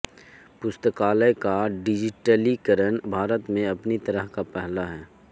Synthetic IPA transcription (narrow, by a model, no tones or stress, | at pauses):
pʊst̪əkaːləjkaɖɪd͡ʒɪʈəlikəɾəɳbʱaːɾət̪mẽɐpnit̪ɐɾəɦkapɛɦlaɦɛː